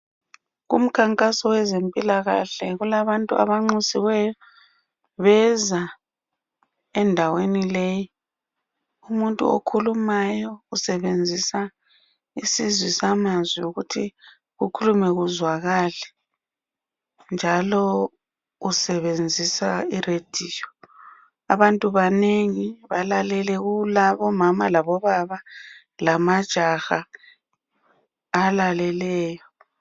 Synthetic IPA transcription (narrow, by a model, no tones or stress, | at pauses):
ɣṵm̩kʰaŋkʼasɔwɛzempʼilaɣa̰ɬɛɣulaβantʼuʔa̰βaŋ͡ǃusiwɛjɔ | βɛza | ɛndʱawenileji | umuntʼṵo̰kʰulumajɔusɛβend͡zʱisa | isizwisamazwiuɣutʰi | ɣukʰulumɛɣuzwaɣalɛ | nd͡ʒʱalɔ | usɛβend͡zʱisaired̥ʱiːjɔ | aβantʼuβaneŋiβalalɛlɛɣulaβɔmamalaβɔβaβa | lamad̥ʒ̥ʱaxa | lalɛlɛːjɔ